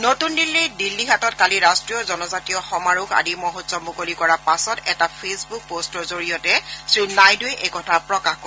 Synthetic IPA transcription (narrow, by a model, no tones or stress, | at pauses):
notundilːijdilːiɦatɔtkaliɹastɹiɔzɔnɔzatijɔxɔmaɹuxa̰dimoɦutsɔmukolikɔɹapasɔtɛtapʰesbuk̚postɔɹzoɹijɔtɛsɹunajduɛʔekɔtʰapɹɔkaxko